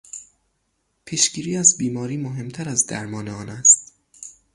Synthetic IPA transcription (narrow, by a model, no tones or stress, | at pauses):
pʰiʃɟ̥iːɾiːæzbiːmɒːɾiːmoɦe̞mt̪ʰæɾæzd̪æ̰ɾmɒːneɒːnæst̪